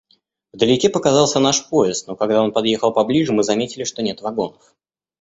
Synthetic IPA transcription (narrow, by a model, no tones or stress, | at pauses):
vd̪əlʲɪkʲepəkɐzɑlˠsʲənaʂpoɪst̪nokɐɡ̚d̪ao̞npɐd̪jexəlˠpɐblʲiʐɨmɨzɐmʲetʲɪlʲɪʂt̪o̞nʲe̞t̪vɐɡo̞nəf